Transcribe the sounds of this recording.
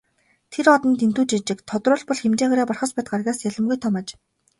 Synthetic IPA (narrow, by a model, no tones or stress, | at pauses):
t̪ʰeɾɔt̪ɞ̆nt̪ent̪uːt͡ɕit͡ɕɪ̆kt̪ʰɔt̪rʊːɮpɔɮxemt͡ɕeːxaɾaːpɔrχɞ̆spæːt̪̚ɢarɣʲaːsjaɮə̆mɡujt̪ʰɔmaːt͡ɕ